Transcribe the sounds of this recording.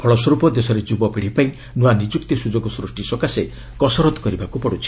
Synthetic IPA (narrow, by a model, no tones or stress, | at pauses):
bʰʱɔɭɔswɔɾupɔd̪esɔɾed͡ʒubɔpiɽ̤ipaĩ | nuanid͡ʒukt̪isud͡ʒoɡɔsɾusʈisɔkase | kɔsɔɾɔt̪ɔ̥kɔɾibakupɔɽut͡ʃʰi̥